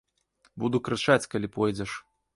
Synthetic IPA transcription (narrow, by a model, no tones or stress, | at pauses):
bud̪ukɾɨt͡ʂat͡sʲkalʲipɔjd͡zʲɛʂ